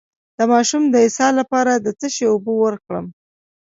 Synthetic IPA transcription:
d̪̥əmɑʃumd̪əɪsɑlapɑɾad̪ət͡s̪əʃeobowəɾkɽə̰m

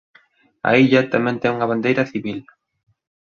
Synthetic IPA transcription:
a̰iʎat̪amɛ̃nt̪ɛŋuŋɐβand̪ejɾɐθiβil

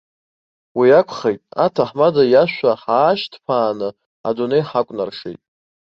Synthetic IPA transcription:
wiakʷʰχejtʼatʰaħmadajaʃʷaħaːʃtʰpʰaːnɨ | a̰donejħakʷʼnarʂejtʼ

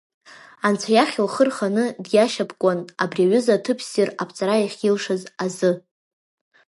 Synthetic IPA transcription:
ant͡sʷʰajaχʲɪlχərχanɨdjaʃapʰʼkʷʼanabriaɥʏzatʰɨpʰsirapʰt͡sʼaɾajaχʲilʂɨzazɨ

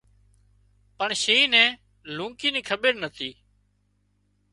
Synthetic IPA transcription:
pəɳʃeiːnɛ̃ː | lũːkiːniːkʰəbeːɾnət̪ʰiː

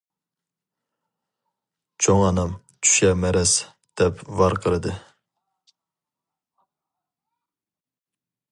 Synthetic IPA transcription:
t͡ʃʰoŋɑnɨm | t͡ʃʰy̥ʃɛmɛɾɛs | d̪̥ɛpvɑɾqʰəɾɨd̪ɨ

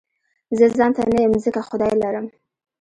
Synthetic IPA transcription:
zəzɑnt̪anajəmzəkaxʊd̪ɑjlaɾəm

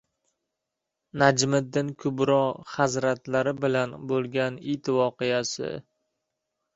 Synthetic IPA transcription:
nad͡ʒmɪd̪ːɪnkʰʊbɾɒχazɾat̪laɾɪbɪlanbolˠɡʲanit̪vɒqɨjasɪ̰

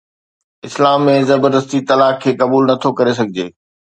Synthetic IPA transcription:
ɪslaːmːẽzɐbəɾd̪əst̪it̪ɐlaːkʰːeːkɐbuːlnɐt̪ʰokɐɾes̬ɐɡʱɪd͡ʑeː

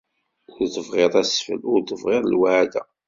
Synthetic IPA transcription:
nt̪əvʁɪðˤæsfə̰lʊɾt̪əvʁɪðˤlwʕad̪æ̰

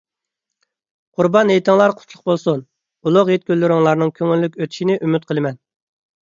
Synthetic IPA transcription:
qʰuɾbɑnejt̪ɪŋlˠɑɾqʰʊ̥t̪ʰlˠʊq̚bolˠsun | ulˠʊqjet̪̚kʲølːyɾɪŋlˠɑɾnɨŋkʲʰøŋylːykʲøt̪ʰi̥ʃinɪʔymyt̪̚qʰəlˠɨmɛn

